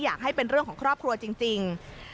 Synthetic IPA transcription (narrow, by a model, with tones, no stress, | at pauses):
jaː˨˩k̚ɦa˥˩jpe˧nɾɯ˥˩əkʰɔː˩˦kʰɾɔː˥˩p̚kʰɾu˧ɐt͡ɕi˧ŋt͡ɕi˧ŋ